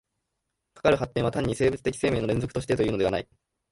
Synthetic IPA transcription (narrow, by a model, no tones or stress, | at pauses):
kḁkaɾɯ̟hat̪ːẽɰ̃βat̪ãɲ̟ːise̞ːbɯ̟t͡sɨ̥t̪e̞kʲi̥seːme̞ːnoɾẽnzo̞kɯ̥t̪oɕi̥t̪et̪o̞jɯ̟ːnd̪e̞a̰na̰i